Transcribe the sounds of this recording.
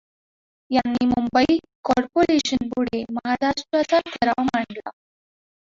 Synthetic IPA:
janːiːmumbəi | kɔɾpoɾeɕənpuɽ̤eməɦaɾaʂʈɾat͡sat̪ʰəɾaʋmaɳɖla̰

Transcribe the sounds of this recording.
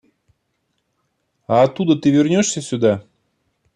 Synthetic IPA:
aːt̪ːud̪ət̪ɨvʲɪrnʲoʂsʲəsʲʊd̪a

